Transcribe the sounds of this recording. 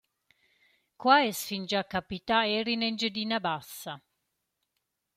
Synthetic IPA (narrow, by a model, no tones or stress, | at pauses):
kwaesfind͡ʒakːapit̪aeɾinend͡ʒed̪inabasːa